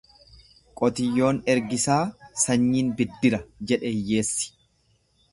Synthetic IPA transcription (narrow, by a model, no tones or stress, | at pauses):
kʼɔt̪ɪjːo̞ːnɛɾɡɪsaːsɐɲːiːnbɪd̪ːɪɾɐd͡ʒɛᶑɛɪjːe̞ːsːɪ̥